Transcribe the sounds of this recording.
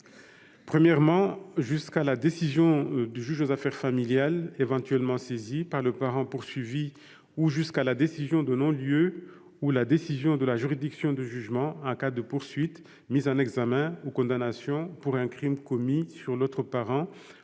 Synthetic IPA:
pχəmjɛʁmɑ̃ʒyskalad̪esizjɔ̃d̪yʒyʒozafɛʁfamiljalevɑ̃t̪ɥɛlmɑ̃sezipaʁləpaʁɑ̃puʁsɥivi | uʒyskalad̪esizjɔ̃d̪ənɔ̃ljø | ulad̪esizjɔ̃d̪əlaʒyʁid̪iksjɔ̃d̪əʒyʒmɑ̃ɑ̃kad̪əpuʁsɥit̪ | mizɑ̃nɛɡzamɛ̃ukɔ̃d̪anasjɔ̃puʁɛ̃kχimkɔmisyʁlot̪χəpaʁɑ̃

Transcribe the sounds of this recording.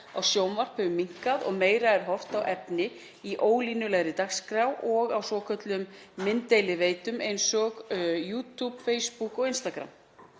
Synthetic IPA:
awsjoːwnvar̥phɛvʏmiŋ̥kaðɔ̰ɣmeːjɾaɛɾ̥ɦɔr̥t̪awʔɛpnɪ | iʔoːwlinʏlɛɣɾɪt̪axskɾawʔɔɣawsvɔkʰœt̪lʏmː | ɪnt̪ejlɪveːjt̪ʏmejnsɔɣjuːt̪ʰupfeːjspukɔɣɪnst̪akɾa̰m

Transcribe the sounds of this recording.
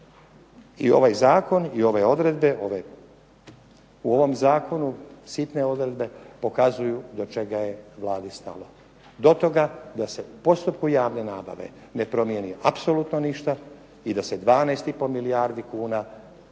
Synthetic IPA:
io̞̰ʋajzaːko̞nio̞ʋeo̞d̪ɾe̞d̪be̞o̞ʋe | uo̞ʋo̞mzaːkʰo̞nusit̪ne̞o̞d̪ɾed̪be̞po̞kazujud̪o̞t͡ʃe̞ɡajeʋlˠaːd̪ist̪a̰lo | d̪o̞t̪o̞ɡad̪ase̞upo̞st̪upkujaːʋne̞naːba̰ʋe̞̰ | ne̞pɾo̞mjeniʔapso̞lut̪no̞niʃt̪a | id̪ase̞d̪ʋaːnaːst̪ipo̞miliaːɾd̪ikuːna

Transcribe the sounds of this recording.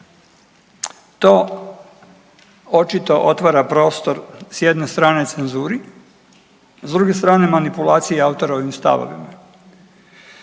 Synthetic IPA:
t̪o̞ː | ot͡ʃit̪o̞ʔo̞t̪ʋaːɾapɾo̞ːst̪o̞ɾsjed̪ne̞st̪ɾaːne̞t̪senzuːɾi | zd̪ɾuɡe̞st̪ɾaːne̞manipulˠaːt̪sijeaut̪o̞ɾaoʋimst̪a̰ʋo̰ʋḭma

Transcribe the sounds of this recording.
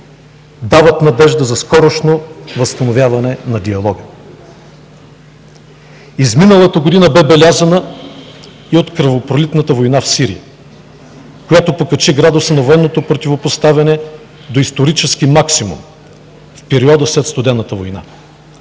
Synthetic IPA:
d̪avət̪nɐd̪ɛʒd̪əzɐskɔɾoʃnovəst̪ɐnovʲjavɐnɛnɐd̪iɐlˠɔɡə | izminəlˠət̪əɡod̪inəbɛbɛlʲazənə | iot̪kɾɐvopɾolit̪nət̪əvojnafsiɾḭjə̰ | kojat̪opokɐt͡ʃiɡɾad̪ʊsənɐvoɛnːot̪opɾot̪ʲivopost̪avʲɐnɛ | d̪oist̪oɾit͡ʃɛsk̟imaksimṵm | fpɛɾiɔd̪əslɛt̪st̪ʊd̪ɛnːət̪əvojna̰

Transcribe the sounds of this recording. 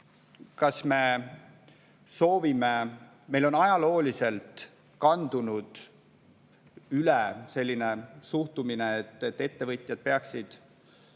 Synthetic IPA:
kɑsme̞ | so̞ːvime | me̞jlo̞nɑjɑlo̞ːlise̞lt̪ | kɑnd̪unud̪̥ | ylese̞lʲːine̞suht̪umineːt̪ːˑet̪ːˑe̞t̪ːe̞vɤt̪ʲˑjɑd̪̥̚pe̞ɑksid̪̥

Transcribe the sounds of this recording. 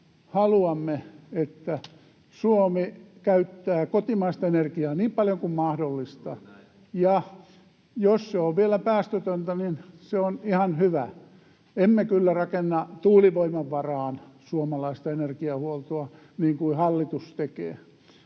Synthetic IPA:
hɑluɑmːeet̪ːæ | suomikæyt̪ːæːkot̪imɑist̪ɑenerkiɑːniːmpɑljoŋkummɑhdolːist̪ɑ | jɑ | josseoʋʋielæpæːst̪øt̪ønt̪æninseonihɑnhyʋæ | emːekylːærɑkenːɑt̪uːliʋoimɑʋʋɑrɑːnsuomɑlɑist̪ɑenerkiɑhuolt̪oɑ | niːŋkuihɑlːit̪ust̪ekḛː

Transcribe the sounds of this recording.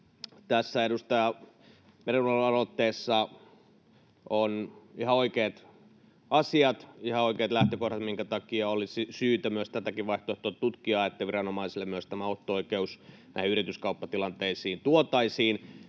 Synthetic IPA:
t̪æsːæeɾust̪ɑjɑ | meɾenolɑrot̪ːeːsːɑ | onihɑoikeːt̪ | ɑsiɑt̪ihɑoikeːt̪læht̪økohɾɑt̪miŋkæt̪ɑkiɑolisisyːt̪æmyøst̪æt̪ækiʋʋɑiht̪oet̪ːot̪tut̪kiɑːet̪ːæʋirɑnomɑisilːemyøst̪æmæot̪ːooikeusnæ̰ihiyrit̪yskɑupːɑt̪ilɑnt̪eisiːnt̪uot̪ɑisiːn

